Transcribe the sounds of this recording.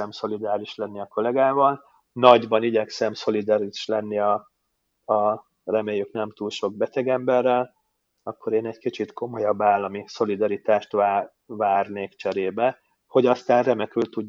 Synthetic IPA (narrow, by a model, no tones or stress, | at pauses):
ɛmso̞lid̪aːliʃlɛnːiɒko̞lɛɡaːvɒl | nɒɟbɒniɟɛksɛmso̞lid̪ɒɾiʃlɛnːiɒ | ɒ | rɛmeːjːyknɛmt̪uːlʃo̞ɡ̚bɛt̪ɛɡɛmbɛrːɛl | ɒkːo̞ɾeːnɛɟkit͡ʃit̪ko̞mo̞jɒbːaːlːɒmiso̞lid̪ɒɾit̪aːʃt̪ʋa | vaːrneːkt͡ʃɛɾeːbɛ | ho̞ɟɒst̪aːnrɛmɛkylt̪ːuɟː